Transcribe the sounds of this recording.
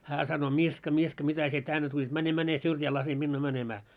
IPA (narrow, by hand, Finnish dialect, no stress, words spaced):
hæː sɑno miskɑ miskɑ mitæ sie tænːe tulʲit mæne mæne syrjæː lɑse minːuː mænemæː